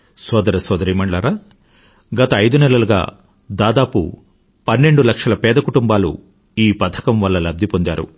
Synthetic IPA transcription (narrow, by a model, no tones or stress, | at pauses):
sɔːd̪ɐɾɐsɔːd̪ɐɾiːmɐɳɖlaːɾaː | ɡɐt̪ɐːjd̪unɛlɐlɐɡa̰ː | d̪aːd̪aːpṵ | pɐnːe̞ɳɖulɐkʂɐlɐpɛːd̪ɐkuʈumbaːlṵ | iːpɐt̪ʰɐ̥kɐmʋɐlːɐlɐb̚d̪ʱipond̪ja̰ːɾṵ